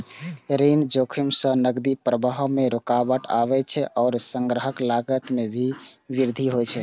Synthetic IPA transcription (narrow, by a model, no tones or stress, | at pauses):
ɾind͡ʒokʰimsə̃nəɡd̪ipɾəbaɦmeɾokabəʈa̰βɛt͡ʃʰɛʔɔːɾsəŋɡɾəɦəklaɡət̪mebʱiʋiɾd̪ʱiɦojt͡ʃʰɛ